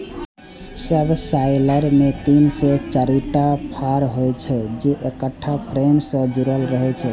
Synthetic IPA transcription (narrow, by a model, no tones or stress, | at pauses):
səbsajləɾmet̪inset͡ʃaɾiʈapʰaɾɦojt͡ʃʰɛd͡ʒeʔekəʈʰːapʰɾemsə̃d͡ʒuɾəlɾəɦɛt͡ʃʰɛ